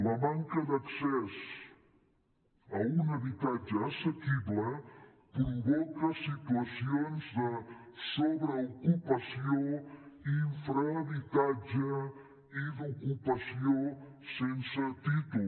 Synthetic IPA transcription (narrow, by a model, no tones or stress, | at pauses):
ləmaŋkəd̪ɐksɛz | əunəβit̪ad͡ʒəːsəkiblə | kumbɔkəsit̪uəsionzd̪əsoβɾəukupəsioiɱfɾəβit̪ad͡ʒə | id̪ukupəsio | sensət̪it̪u